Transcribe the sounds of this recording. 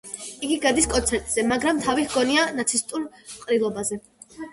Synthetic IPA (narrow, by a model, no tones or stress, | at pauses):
iɡiɡad̪iskʼɔnt̪sʰɛɾt̪ʼz̥ɛmaɡɾamt̪ʰavihɡɔnianat̪sʰist̪ʼuɾqʼɾilˠɔbazɛ